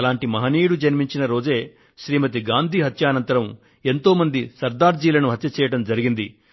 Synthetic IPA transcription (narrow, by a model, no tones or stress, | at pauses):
laːɳʈimɐɦɐniːɽud͡ʒɐnmiɲt͡ʃinɐɾo̞ːd͡ʒe̞ː | ʃɾiːmɐt̪iɡaːnd̪ʱiɦɐt̪jaːnɐnt̪ɐɾɐm | e̞nt̪o̞ːmɐnd̪isɐɾd̪aːɾd͡ʒiːlɐnuɦɐt̪jɐt͡ʃɛːjɐʈɐmd͡ʒɐɾiɡind̪i